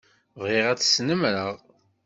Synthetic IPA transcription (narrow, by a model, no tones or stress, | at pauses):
vɪʁæt͡sːsnəmɾəʁ